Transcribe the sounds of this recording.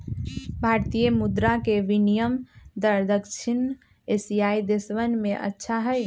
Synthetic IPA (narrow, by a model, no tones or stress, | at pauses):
bʱaɾt̪ijəmud̪ɾakeʋinijəmd̪əɾd̪əkt͡ʃʰin | esijajd̪esʋənmeʔə̰tːʃʰaɦəj